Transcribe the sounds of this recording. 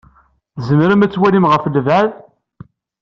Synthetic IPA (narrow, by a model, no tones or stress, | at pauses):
zəmɾəmæt͡sːwælimʁəflvað